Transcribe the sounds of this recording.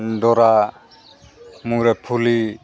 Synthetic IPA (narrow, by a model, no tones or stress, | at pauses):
dɔɾa | muŋɾɛpʰuli